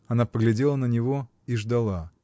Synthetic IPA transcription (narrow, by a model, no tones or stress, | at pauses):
ɐnapəɡlʲɪdʲelˠənənʲɪvo̞ | iʐd̪ɐlˠa